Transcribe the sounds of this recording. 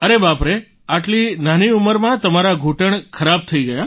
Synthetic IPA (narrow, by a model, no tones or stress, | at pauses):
əɾebapɾe | aʈlinaniuməɾmãt̪əmaɾaɡʱuʈəɳkʰəɾab̚t̪ʰəiɡəja